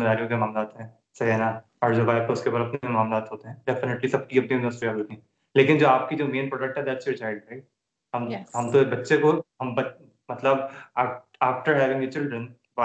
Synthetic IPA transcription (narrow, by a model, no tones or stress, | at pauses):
ɾaːɾijõk̬emaːmlaːt̪ɦɛ̃ː | sɐɦɦɛːna | ɔːɾd͡ʒobaːɪt̪oʊskebaːɾɐpnekemaːmlaːt̪ɦoːt̪eɦɛ̃ɖɛfɪneʈlisɐb̚kiɐp̚niɪ̃nɖəsʈɾiaɦot̪ĩɦɛ̃ | leːkɪnd͡ʒoːaːp̚kid͡ʒoːmeːnpɾɔːɖək̚ʈɦɛd̪ɛːʈsjot͡ʃaɪlɖɾaɪʈ̚ | ɦɐmɦɐmt̪obɐtːʃekoɦɐmbɐ | mɐt̪ləb | aːk̚ʈəɾɦɛːʋɪ̃ŋdet͡ʃɪlɖɾə̃n | ba